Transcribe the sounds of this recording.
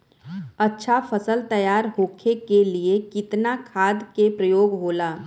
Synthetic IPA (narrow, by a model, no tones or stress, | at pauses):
ɐtːʃʰafʰəsəlt̪əjaːɾɦoːkʰekeliekɪt̪nakʰaːd̪kepɾəjoːɡɦoːlaː